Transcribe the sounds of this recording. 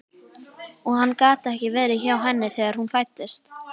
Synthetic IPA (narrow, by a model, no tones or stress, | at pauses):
ɔɣhanːkaːt̪ɛhcɪvɪðɾɪçawɦɛnːɪθɛːɣaɾ̥hunfajt̪ːɪst̪